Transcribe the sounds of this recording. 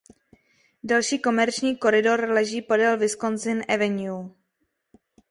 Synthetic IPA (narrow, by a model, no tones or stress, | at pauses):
dalʃiːko̞mɛɾt͡ʃɲiːko̞ɾɪdo̞ɾlɛʒiːpodɛlvɪskonzɪnʔɛvɛɲu